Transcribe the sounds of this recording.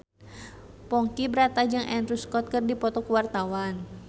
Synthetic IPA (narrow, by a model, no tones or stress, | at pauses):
pɔŋkibəɾat̪ad͡ʒɨŋʔɛndɾuskɔt̪̚kɨrdipɔt̪ɔkəwart̪awan